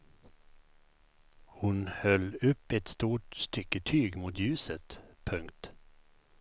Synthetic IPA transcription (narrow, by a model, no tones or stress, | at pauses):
hʊnhœlʉpɛt̪st̪uːʈst̪ʏkət̪ʰyːɡmuːt̪jʉːsət̪pʰʉŋkt̪